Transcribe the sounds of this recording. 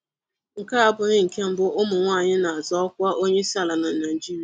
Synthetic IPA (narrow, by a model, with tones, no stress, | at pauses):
ŋ̩˨ka˦a˦bʊ˨ɲɪ˦ŋ̩˨ke˦m̩˨bʊ˦ʔʊ˦mʊ˨ŋʷaː˦˨ɲɪ˦na˨a˨zɔ˦ɔ˦kʷa˦ʔo˦ɲe˦sa˨la˨na˨na˨i˨d͡ʒi˦ɾi˨